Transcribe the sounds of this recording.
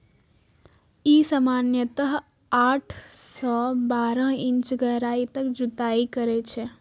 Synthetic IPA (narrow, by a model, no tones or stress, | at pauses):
iːsamaːnjət̪əɦ | aːʈʰsɔːbaːɾə̃ɦɪ̃ɲt͡ʃɡəɦɾaːit̪əkd͡ʒut̪aːikəɾet͡ʃʰe